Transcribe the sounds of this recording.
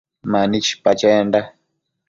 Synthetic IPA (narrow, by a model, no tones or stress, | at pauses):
manit͡ʃʰi̥pat͡ʃɛːnda